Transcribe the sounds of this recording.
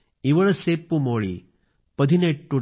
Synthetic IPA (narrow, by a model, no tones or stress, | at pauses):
iʋəɭsepːumoɭḭ | pəd̪ʱineʈːuɽ